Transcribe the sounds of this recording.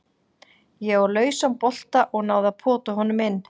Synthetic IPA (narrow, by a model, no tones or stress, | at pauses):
jɛɣɔɾlœːɥsampɔl̥t̪aʔɔɣnaːwðapʰɔːt̪ʏɦɔnʏmɪnː